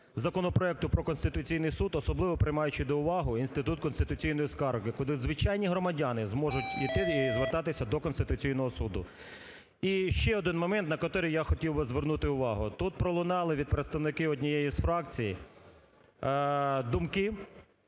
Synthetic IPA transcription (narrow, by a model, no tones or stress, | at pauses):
zɐkɔnɔpɾɔɛk̚t̪ʊpɾɔkɔnst̪ɪt̪ʊt͡sʲijnɪjsud̪ɔsɔblˠɪʋɔpɾɪjmɑjʊt͡ʃɪd̪ɔʊʋɑɦʊinst̪ɪt̪ut̪kɔnst̪ɪt̪ʊt͡sʲijnɔjiskɑɾʊkɪkɔlˠɪzʋɪt͡ʃɑjnʲiɦɾɔmɐdʲɑnɪzmɔʒʊtʲit̪ɪizʋert̪ɑt̪ɪsʲɐd̪ɔkɔnst̪ɪt̪ʊt͡sʲijn̪ɔɦɔsud̪ʊ̰ | iʃt͡ʃɛɔd̪ɪnmɔmɛnt̪nɐkɐt̪ɔɾɪjaxɔtʲiwbɪzʋernut̪ɪʊʋɑɦʊt̪ut̪̚pɾɔlˠʊnɑlˠɪʋʲid̪̚pɾet̪st̪ɐʋnɪkɪɔdʲnʲijejisfɾɑkt͡sʲiji | d̪ʊmkɪ